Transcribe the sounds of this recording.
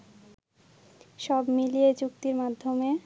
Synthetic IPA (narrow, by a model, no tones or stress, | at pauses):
ʃɔbmilijet͡ɕukt̪iɾmad̪ʱːome